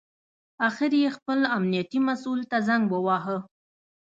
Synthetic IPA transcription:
axɪɾjexpəlamnijat̪imasult̪azaŋɡbəwɑɦə

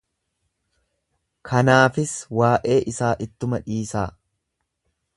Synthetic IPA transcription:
kʰɐnaːfɪswaːʔe̞ːʔɪsaːʔɪt̪ːʊmɐᶑiːsaː

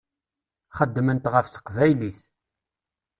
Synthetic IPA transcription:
χəd̪ːmənt̪ʁəfθə̥qvæjliθ

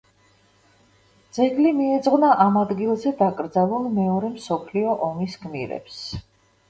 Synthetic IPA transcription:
d̪zɛɡlimiɛd̪zʁnaʔamad̪ɡilˠzɛd̪akʼɾd̪zalˠulˠmɛɔɾɛmsɔpʰliɔʔɔmisɡmḭɾɛ̰ps

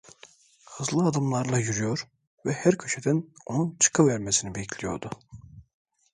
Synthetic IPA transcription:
hɯzlˠɯad̪ɯmlˠaɾlˠajyɾyjo̞ɾ | vɛhæɾcʰøʃʰed̪æno̞nunt͡ʃʰɯ̥kʰɯvæɾmesinibeicʰlʲijo̞̰ɾd̪u

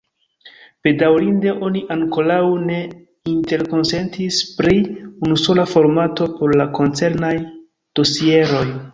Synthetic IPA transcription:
pe̞dawɾinde̞ʔo̞niʔaŋko̞ɾawne̞ | inte̞ɾko̞nse̞ntispɾiunuso̞lafo̞ɾmato̞po̞ɾlako̞nt͡se̞ɾnaj | d̥o̞sie̞ɾo̞j

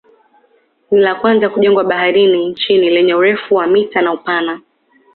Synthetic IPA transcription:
nilakwanzakuʄɛŋɡwaɓaɦaɾinint͡ʃinilɛɲɛuɾɛfuwamitanaupana

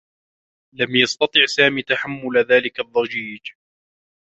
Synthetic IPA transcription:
lamjɑst̪ɑt̪ˤɨʕsaːmiːt̪aħamːʊlðaːlɪkaðˤːɑd͡ʒiːd͡ʒ

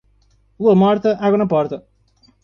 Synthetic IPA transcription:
uɐmɔɾt̪ɐʔaɣunɐpɔɾt̪ɐ

